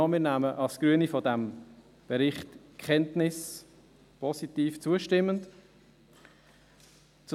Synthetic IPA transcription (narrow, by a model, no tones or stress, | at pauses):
mɪːɾnæməʔɑlsɡ̥ɾyənifɔdæm | b̥ɛɾɪχtkʰɛntnɪs | pʰɔsitiːft͡suəʃtɪmːənt | t͡s